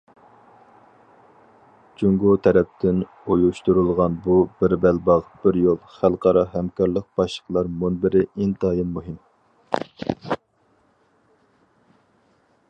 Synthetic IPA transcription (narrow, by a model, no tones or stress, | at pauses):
d͡ʒuŋɡut̪ʰɛɾɛp̚t̪ʰɪn | ojuʃt̪uɾɨlˠʁɑnbubɪɾbɛlbɑʁb̥ɪɾjolˠχælˠqʰɑɾɑɦɛmkʰɑɾlˠəq̚b̥ɑʃlˠə̥qlˠɑɾmunbɪɾɪint̪ɑːjɪmːuɦɪm